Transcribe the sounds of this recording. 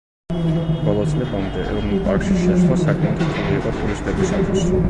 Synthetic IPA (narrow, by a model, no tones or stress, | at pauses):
b̥ɔlˠɔt̪sʼlɛbamd̪ɛʔɛvɾnulˠpʼaɾkʃiʃɛʃˠasakʼmɛt̪ʰat̪ʰɔɾiiqʼɔt̪ʰʼuɾist̪ʼɛbisat̪ʰis